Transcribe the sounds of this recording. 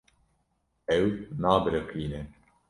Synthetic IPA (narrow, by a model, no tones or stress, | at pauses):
ɛwnaːbɾekiːnɛ